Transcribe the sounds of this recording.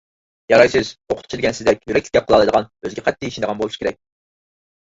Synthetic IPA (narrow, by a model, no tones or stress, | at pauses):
jɑɾɑjsɪz̥oqʰʊt̪ʰt͡ʃʰid̪ɪkʲɛnsɪzd̪ɛk̚ʲjyɾɛkʲʰɪ̥kʲɛp̚qəlˠɑlˠɨd̪əʁɑnøzɡʲɛqʰɛt̪ːiiʃind̪ʁɑnbolˠuʃi̥kʰʲeɾɛ̰k̚ʲ